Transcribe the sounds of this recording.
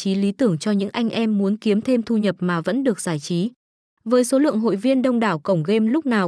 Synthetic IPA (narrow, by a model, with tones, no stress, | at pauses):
t͡ɕi˨˦li˨˦t̪ɨ˧˩əŋt͡ɕɔ˧ɲɨ̰˧˥ŋʔa˧jŋ̟ʔɛ˧mːu˨˦ənki˨˦əmt̪ʰe˧mt̪ʰu˧ɲə˨˩p̚maː˨˩və̰˧˥nɗɨ˨˩ək̚zaː˧˩jt͡ɕi˨˦ | vəː˨˦jso˨˦lɨ̰˧˨əŋɦo̰˧˨jvi˧ənɗə˧wŋ͡mɗaː˧˩wkə˧˩wŋ͡mɣe˧mlʊ˦˥k͡p̚naː˨˩w